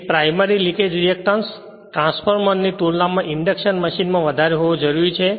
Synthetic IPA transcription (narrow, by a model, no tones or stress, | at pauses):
pɾajməɾilĩked͡ʒɾiek̚ʈəns | ʈɾãnspʰəɾmənːiʈ̪ulnamãʔɪɳɖekʃənməʃinmãʋəd̪ʱaɾeɦoʋod͡ʒəɾuɾit͡ʃʰe